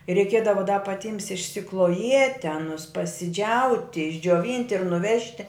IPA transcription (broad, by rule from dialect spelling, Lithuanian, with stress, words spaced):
rʲɛɪˈkʲiɛdɐʋɐ dɐ pɐˈtʲiːms ɪʃʲsʲɪklˠoːˈjiɛtʲɪ ɐˈnʊs pɐsʲɪˈd͡ʒʲɛʊtʲɪ ɪʒʲd͡ʒʲoːˈʋʲiːnʲtʲɪ ɪr nʊˈʋʲæːʃʲtʲɪ